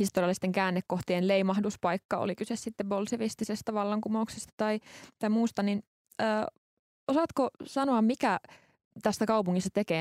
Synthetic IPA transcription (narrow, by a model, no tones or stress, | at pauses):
hist̪oriɑlːˑist̪eŋkæːnːekːoht̪ienleimɑhduspɑikːɑo̰likysessit̪ːebolseʋist̪isest̪æʋɑlːɑŋkumouksest̪ɑ̥t̪ɑit̪ɑimuːst̪ɑnin | əː | osɑt̪kosɑnoɑmmikæ | t̪æsːækɑupuŋːist̪ɑt̪ekeː